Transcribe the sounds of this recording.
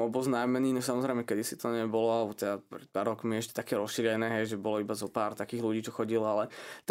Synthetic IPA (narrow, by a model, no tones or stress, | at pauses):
ɔbɔznajmɛniːɲɛsamɔzɾɛɪjmɛkɛd̪isit̪ɔɲɛbɔlɔalɛbɔt̪ɛd̪apɾɛt̪paɾɔkmiɛʃcɛ̥t̪akɛːɾɔsʃiːɾɛnɛːɦɛjʒɛbɔlɔibazɔpaːɾt̪akiːɣluɟiːt͡ʃɔxɔɟilalɛt̪